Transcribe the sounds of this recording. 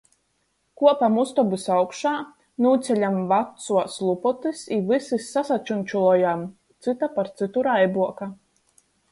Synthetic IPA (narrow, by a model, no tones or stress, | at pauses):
kuɔpamust̪ɔbisawkʃaː | nuːt̪sʲɛlʲamvat̪suɔslˠupɔt̪isivɨsisːasat͡ʃunʲt͡ʃulˠɔjam | t̪sɨt̪apaɾt̪sit̪uɾajbuɔka